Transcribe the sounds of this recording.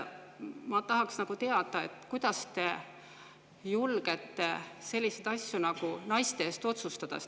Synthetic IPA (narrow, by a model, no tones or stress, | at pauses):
mɑt̪ɑɦɑksnɑɡ̥ut̪e̞ɑd̪̥ɑe̞t̪ːˑkujd̪̥ɑst̪e̞ | julɡ̥et̪ːe̞se̞lʲːised̪̥ɑsʲjunɑɡ̥unɑjst̪eeːst̪o̞t̪sust̪ɑt̪ɑ̰s